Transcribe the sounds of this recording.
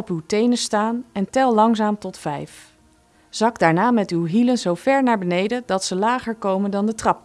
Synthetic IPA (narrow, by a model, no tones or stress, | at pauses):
ɔpywtejnəstaːnɛntɛlˠlɑŋzaːmtɔtfɛjf | z̥ɑɡdaːɹnaːmɛtywɦilənzowvɛɹnaːɹbənejdədɑtsəlaːχəɹkowməndɑndətrɑp̚